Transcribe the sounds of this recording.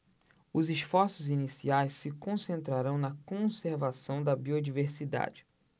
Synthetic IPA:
ʊzɪʃfɔɾsʊzinisiajsːɪkõsẽnt̪ɾaɾɐ̃w̃nɐkõseɾvasɐ̃w̃d̪ɐbiod͡ʒiveɾsid̪a̰d͡ʒɪ

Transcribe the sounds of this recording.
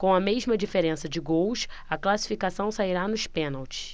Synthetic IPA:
kõɐmeʒmɐd͡ʒifeɾẽsɐd͡ʒɪɡows | ɐklasi̥fikasɐ̃w̃saiɾanʊʃpẽnawt͡ʃɪ̥

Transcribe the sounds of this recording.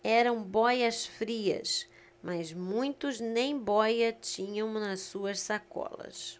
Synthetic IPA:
ɛɾɐ̃w̃bɔjɐsfɾiɐ̰s | mʔɐzmũj̃t̪ʊznẽj̃bɔjɐt͡ʃĩɲɐ̃w̃nɐssuɐssakɔ̰lɐ̰s

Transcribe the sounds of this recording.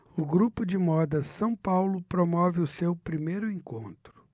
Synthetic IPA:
ʊɡɾupʊd͡ʒɪmɔd̪ɐsɐ̃w̃pawlʊpɾomɔvɪʊsewpɾimejɾʊẽŋkõnt̪ɾʊ̥

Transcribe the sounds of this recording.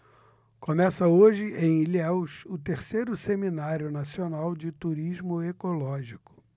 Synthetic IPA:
komɛsɐoʒɪʔẽj̃iliɛwsʊt̪eɾsejɾʊseminaɾjʊnasionawd͡ʒɪt̪uɾiʒmʊekolɔʒikʊ̥

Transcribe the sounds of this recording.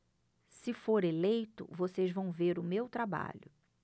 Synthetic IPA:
sɪfoɾelejt̪ʊ̰vosezvɐ̃w̃veɾʊmewt̪ɾaba̰ʎʊ

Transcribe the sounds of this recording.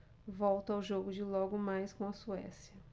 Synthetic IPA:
vɔwt̪ɐawʒoɡʊd͡ʒɪlɔɡʊmajskõw̃ɐsuɛ̰siɐ

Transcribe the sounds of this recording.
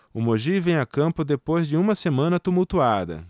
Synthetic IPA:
ʊmoʒivẽj̃akɐ̃mpʊd̪epojzd͡ʒɪũmɐsemɐ̃nɐt̪umuwt̪uad̪ɐ̰

